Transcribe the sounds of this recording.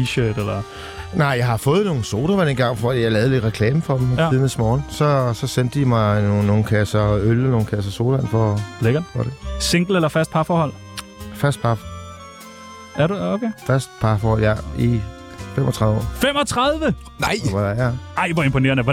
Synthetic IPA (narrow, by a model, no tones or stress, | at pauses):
iɕøːd̥elɐ | nɑ̈ɪ̰jɑ̈ɪhɑ̈fɔ̽ːð̩ˠno̝ːn̩so̝ːd̥ɐʋænenɡ̥ɑ̈ŋ̰fɒ̰d̥ḭːjɑ̈ɪlɛːð̞̩ˠle̝d̥ʁɛkʰlɛːməfɒ̽d̥miðn̩esmɒːn̩sɒ̽sɒ̽sen̰d̥əimɑ̈ɪno̝ːn̩kʰæsɐølɒno̝ːn̩kʰæs̬ɐso̝ːlænfɒbleɡ̥ɐfɒd̥ese̝ŋ̰ɡ̥l̩elɐfæɐsd̥̚pʰɑ̈fɒːhɒ̽l̰ | fæɐsd̥̚pʰɑ̈f | æɐɾuokʰefæsd̥̚pʰɑ̈fːhɒ̽l̰jæi | femʔɒt͡sʰʁɑ̈ðˠʋəɒ̰ːfemɒt͡sʰʁɑðˠʋə | nɑɪ̰æɑ̈ɪʋɒe̝mpʰone̝ːɐnəʋ